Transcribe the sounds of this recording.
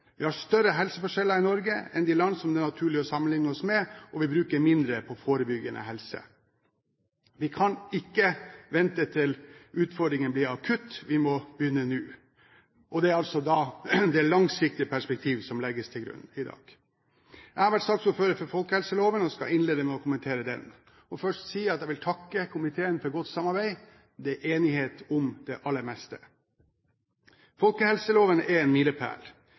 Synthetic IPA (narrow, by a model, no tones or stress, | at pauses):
ʋɪhɑʂt̪œɾəɦɛlsəfɔʂɛlːəɾɪnɔɾɡəɛ̰nd̪ilɑnːsɔmd̪ɛnɑt̪ʰʉːɭɪɔsɑmənlɪŋnəɔsmɛʔɔʋɪbɾʉːkəɾmɪnd̪ɾəpʰɔfoːɾəbʏɡənʔə̰ɦɛlsə̰ | ʋɪkʰɑnɪkːəʋɛnt̪ət̪ʰɪlʉːt̪fɔɖɾɪŋənblɪɾɑkʰʉt̪ːʋɪmɔbjʏnːənʉː | ʔɔd̪ɛːɾɑlsɔd̪ɑd̪ɛælɑŋsɪk̚t̪ɪəpʰæʂpɛk̚t̪ʰiːʋsɔmlɛɡːəst̪ʰɪlɡɾʉ̰nːɪd̪ɑ̰ːɡ̥ | æhɑɾʋæʈsɑːkt̪sɔføːɾəfɔɾfɔlkəɛlsəloːʋənɔskɑ̰ʔɪnleːd̪əmɛɔkʰʊmənt̪ʰeːɾəd̪ɛ̰n | ɔfœʂtsiːɑt̪d̪jæɪʋɪlt̪ʰɑkːəkʰʊmɪt̪ʰeːənfɔɾɡɔt̪ːsɑmɑɾbæɪ | d̪ɛʔeːnɪheːt̪ɔmd̪̥ɛʔɑlːəɾmɛst̪ə | fɔlkəhɛlsəloːʋənɛɾɛːnmiləpʰæ̰ːl